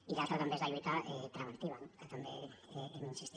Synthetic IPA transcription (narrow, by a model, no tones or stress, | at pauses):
iðalt̪ɾat̪ambezaʎuit̪aet̪ɾamant̪iβanat̪ambeeminsist̪